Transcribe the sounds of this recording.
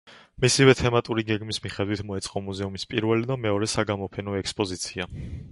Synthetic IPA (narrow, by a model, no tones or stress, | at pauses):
misivɛt̪ʰɛmat̪ʼuɾiɡɛɡmismiχɛd̪wit̪ʰmɔɛt̪sʼqʼɔmuzɛumispʼiɾvɛlid̪amɛɔɾɛsaɡamɔpʰɛnɔɛkspʼɔzit̪sʰia